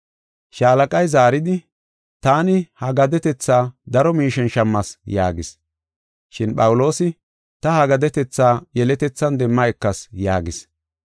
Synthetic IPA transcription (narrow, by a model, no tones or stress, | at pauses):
ʃaːlɐkʼɐjzaːɾɪd̪ɪ | t̪aːnɪhɐɡɐd̪ɛt̪ɛt͡sːaːd̪ɐɾɔmiːʃɛnʃɐmːɐsja̰ːɡɪs | ʃɪnɓɐwʊlo̞ːsɪ | t̪ɐhɐɡɐd̪ɛt̪ɛt͡sːaːjɛlɛt̪ɛt͡sːɐnd̪ɛmːɐɛkːɐsjaːɡɪs